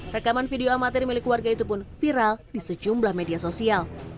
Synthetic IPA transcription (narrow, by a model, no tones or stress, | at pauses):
rəkamanfideoamat̪ɪrmilɪkwarɡait̪upʊnfiɾaldisəd͡ʒumblahmediasosial